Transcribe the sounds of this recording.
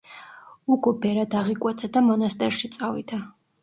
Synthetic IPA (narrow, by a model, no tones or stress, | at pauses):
uɡɔbɛɾad̪aʁikʼwɛt̪sʰad̪amɔnast̪ʼɛɾʃit̪sʼavḭd̪a